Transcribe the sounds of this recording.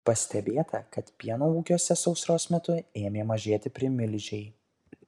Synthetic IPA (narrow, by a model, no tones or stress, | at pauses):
pɐsʲt̪ʲɛbʲeːt̪ʰɐkɐt̪pʲiɛnoːuːkʲoːsʲɛsɒʊsɾoːsmʲɛt̪ʊeːmʲeːmɐʒʲeɛt̪ʲɪpʲɾʲɪmʲɪlʲʒʲɛɪ